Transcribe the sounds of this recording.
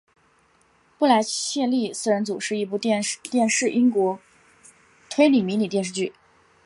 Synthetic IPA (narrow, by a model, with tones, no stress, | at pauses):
pu˥˩la˧˥ɪɕjɛ˥˧nli˥˧sɹ̩˥˩ɻə˧˥nt͡su˨˩ʂɻ̩˥˧i˥˧p̬u˥˧˥t̪jɛ˥˧nʂɻ̩˥˩ʔi˥ŋkwɔ˧˥ | t̪ʰwe˥ɪli˨˩mi˧˥ni˨˩t̪jɛ˥˧nʂ̬ɻ̩˥˧t͡ɕy˥˩